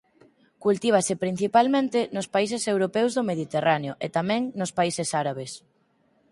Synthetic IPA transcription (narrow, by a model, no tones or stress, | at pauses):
kult̪iβ̞asɪpɾin̟θipalmẽnt̪ɪnʊspais̬esewɾopɛwzðomeðit̪eraneoʔet̪amɛ̃ŋnʊspaisesaɾaβ̞es